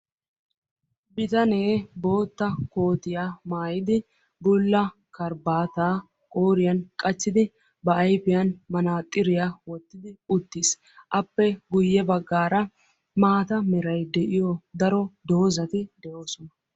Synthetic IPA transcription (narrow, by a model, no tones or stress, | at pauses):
bɪt̪ɐne̞ːbo̞ːt̪ːɐko̞ːt̪ɪjamaːjɪd̪ɪ | bʊlːɐ | kɐɾbaːt̪aː | kʼoːɾɪjɐnkʼɐt͡ʃːɪd̪ɪ | bɐɐjpɪjɐnmɐnaːt̪ʼːɪɾɪjawɔt̪ːɪd̪ɪʊt̪ːɪs | ʔɐpːɛɡʊjːɛbɐɡːaːɾɐ | maːt̪ɐmɛɾɐjd̪ɛʔɪjɔd̪ɐɾɔd̪oːzɐt̪ɪd̪ɛʔo̞ːsɔnɐ